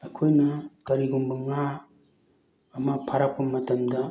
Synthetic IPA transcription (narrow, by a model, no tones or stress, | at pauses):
ɐkʰojnɐkɐɾiɡumbɐŋa | mɐpʰaɾapɐmɐtɐmdɐ